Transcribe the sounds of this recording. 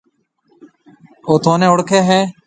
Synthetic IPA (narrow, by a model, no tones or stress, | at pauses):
oːt̪ʰoːnẽːʊɽkʰeːɦɛː